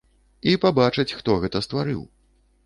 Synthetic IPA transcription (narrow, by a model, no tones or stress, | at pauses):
ipabat͡ʂɐt͡sʲxt̪ɔɣɛt̪ɐst̪vaɾɨ̰w